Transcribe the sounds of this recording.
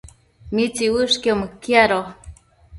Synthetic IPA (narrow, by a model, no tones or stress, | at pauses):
mit͡siwɨʂkomkiaɾo